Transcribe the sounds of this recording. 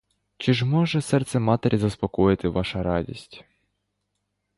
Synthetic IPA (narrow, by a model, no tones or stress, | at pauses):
t͡ʃɪʒmɔʒɛsɛrt̪sɛmɑt̪eɾʲizɐspɔkɔjɪt̪ɪʋɑʃɐɾɑdʲḭsʲtʲ